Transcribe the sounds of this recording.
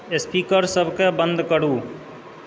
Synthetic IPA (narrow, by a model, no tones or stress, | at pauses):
espiːkəɾsəbʱkebə̃nd̪kəɾuː